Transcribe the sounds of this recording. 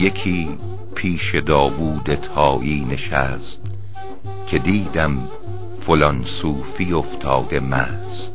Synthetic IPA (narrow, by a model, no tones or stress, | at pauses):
jekʰiː | pʰiːʃe̞d̪ɒːvuːd̪et̪ʰɒːʔiːne̞ʃæst̪ | kʲʰe̞d̪iːd̪æm | folɒnsuːfiːoft̪ʰɒːd̪e̞mæːst̪